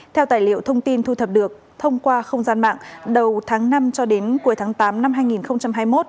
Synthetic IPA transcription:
t̪ʰɛ˧wt̪aː˧˨˩jlḭ˧˨əwt̪ʰə˧wŋ͡mt̪i˧nt̪ʰu˧t̪ʰə˨˩p̚ɗɨ˨˩ək̚ | t̪ʰə˧wŋ͡mkwaː˧xə˧wŋ͡mzaː˧nma̰ː˧˨ŋɗə˨˩wt̪ʰaː˨˦ŋna˧mt͡ɕɔ˧ɗe˨˦nku˨˦əjt̪ʰaː˨˦ŋt̪aː˨˦mna˧mɦaː˧jŋi˨˩nxə˧wŋ͡mt͡ɕa˧mɦaː˧jmo˦˥t̚

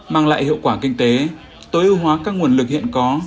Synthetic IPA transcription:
maː˧˩ŋla̰ː˧˨jhḭ˧˨wkwaː˧˩kï˧ŋ̟t̪e˨˦ | t̪o˨˦jʔɨ˧wɦwaː˨˦kaː˦˥k̚ŋu˨˩ənlɨ˨˩k̚hḭ˧˨ənkɔ˨˦

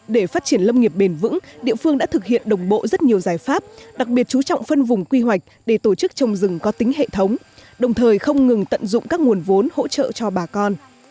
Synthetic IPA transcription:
ɗe˧˩faː˦˥t̚t͡ɕi˧˩ənlə˧wŋ͡mŋi˨˩əp̚ɓe˨˩nvɨ̰˧˥ŋɗḭ˧˨əfɨ˧əŋɗa̰ː˧˥t̪ʰɨ˨˩k̚hḭ˧˨ənɗə˨˩wŋ͡mɓo̰˧˨zə˦˥t̚ɲi˨˩əwzaː˨˩jfaː˦˥p̚ɗa˨˩k̚ɓi˨˩ət̚t͡ɕu˨˦t͡ɕɔ̰˧˨wŋ͡mfə˧nvʊ˨˩ŋ͡mkwi˧ɦwa˨˩jk̟̚ɗe˧˩t̪o˧˩t͡ɕɨ˦˥k̚t͡ɕə˨˩wŋ͡mzɨ˨˩ŋkɔ˨˦t̪ï˨˦ŋ̟ɦḛ˧˨t̪ʰə˨˦wŋ͡m | ɗə˨˩wŋ͡mt̪ʰəː˨˩jxə˧wŋ͡mŋɨ˨˩ŋt̪ə̰˧˨nzʊ̰˧˨ŋ͡mkaː˦˥k̚ŋu˨˩ənvo˨˦nho̰˧˥t͡ɕə̰ː˧˨t͡ɕɔ˧ɓaː˨˩kɔ˧n

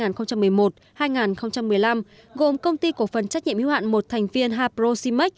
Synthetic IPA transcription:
aː˨˩nxə˧ŋ͡mt͡ɕa˧mːɨ˨˩əjmo˨˩t̚ | haː˧jŋaː˨˩nxə˧wŋ͡mt͡ɕa˧mːɨ˨˩əjla˧m | ɣo˨˩mkə˧wŋ͡mt̪i˧ku˧˩əfə˨˩nt͡ɕa˦˥k̚ɲi˧˨ə˨mhi˧wha̰ː˧˨nmo˨˩t̚t̪ʰɛ˨˩jŋ̟vi˧ənɦaː˧p̚zo˧si˧ma˦˥k̟̚

